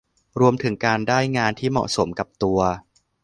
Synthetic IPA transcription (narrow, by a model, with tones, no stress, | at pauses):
ɾu˧əmt̪ʰɯ˩˦ŋkaː˧ndaː˥˩jŋaː˧nt̪ʰiː˥˩mɔ̰˨˩ʔso˩˦mka˨˩p̚t̪u˧ɐ